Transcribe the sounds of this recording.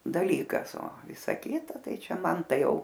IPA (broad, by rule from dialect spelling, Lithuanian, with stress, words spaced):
dɐˈlʲiːkɐs oː ˈʋʲɪsɐ ˈkʲɪtɐ ˈtɐɪ ˈt͡ʃʲɛ ˈmɐn ˈtɐɪ ˈjɛʊ